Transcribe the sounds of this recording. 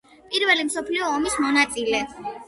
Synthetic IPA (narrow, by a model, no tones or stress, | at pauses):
pʼiɾvɛlimsɔpʰliɔːmismɔnat̪sʼilɛ